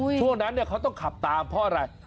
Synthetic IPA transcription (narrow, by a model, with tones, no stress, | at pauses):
t͡ɕʰu˥˩əŋna˦˥nːi˥˩ɐkʰa˦˥wt̪ɔ˥˩ŋkʰa˨˩p̚t̪aː˧mpʰɔ˦˥ʔa˧ɾa˧j